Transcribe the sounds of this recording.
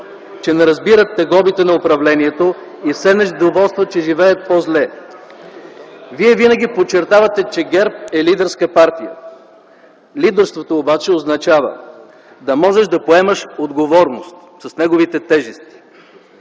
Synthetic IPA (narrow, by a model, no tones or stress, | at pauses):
t͡ʃɛnɛɾɐzbiɾət̪ːɛɡɔbit̪ɛnɐopɾɐvlɛniɛt̪o | ifsɛnɛʒd̪ovɔlˠst̪vət͡ʃɛʒivɛət̪̚pozlɛ | viɛvinɐɡʲipot͡ʃːɛɾt̪avɐt̪ɛt͡ʃɛɡɛɾp̚ɛlid̪ɛɾskəpaɾt̪ijə̰ | lid̪ɛɾst̪vot̪oːbat͡ʃɛoznɐt͡ʃavə̰ | d̪ɐmɔʒɛʃd̪ɐpoɛmɐʃod̪ɡovɔɾnost̪ | sɐsnɛɡovit̪ɛt̪ɛʒɛst̪i̥